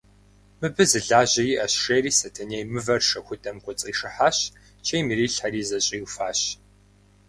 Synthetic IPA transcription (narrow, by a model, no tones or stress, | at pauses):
mɨbɨzɨɮaːʑɐjiːʔɐɕʂeːriːsɐtʰɐneːjmɨvɐrʂɐxʷʊtʰʼɐmkʷʰʼɔt͡sʼiːʂɨħaːɕ | t͡ʃʰejmiɾiːɬħariːzɐɕʼiːwfaːɕ